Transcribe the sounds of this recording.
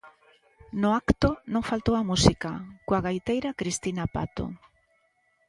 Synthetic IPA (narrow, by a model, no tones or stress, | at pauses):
nʊakt̪ʊnõŋfalt̪owɐmusikakoaɣajt̪ejɾakɾist̪inapa̰t̪o̰